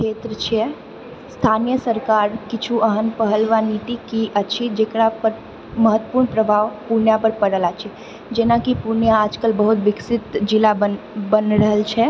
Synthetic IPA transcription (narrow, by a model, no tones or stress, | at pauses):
kʰeːt̪ɾət͡ʃʰɛ | st̪ʰaːnijəsəɾkaːɾkɪt͡ʃʰuʔəɦənpəɦəlʋanit̪ikiʔət͡ʃʰid͡ʒeːkɽapəɾ | məɦət̪wəpuɾɳpɾəbʱaːʋpuɾnjapəɾpəɽəlat͡ʃʰɛ | d͡ʒenakipuɾnjaaːd͡ʒkəlbəɦut̪ʋɪksɪt̪d͡ʒɪlabə | bənɾəɦəlt͡ʃʰɛ